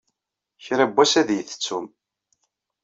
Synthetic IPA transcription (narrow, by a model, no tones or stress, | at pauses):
çɾæbːæsæðjəθə̥t͡sːum